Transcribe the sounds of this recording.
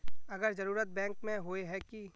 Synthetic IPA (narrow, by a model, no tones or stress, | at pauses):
ɐɡəɾzɐɾuːɾət̪̚bɛ̃ːŋkmẽɦoːeɦɛki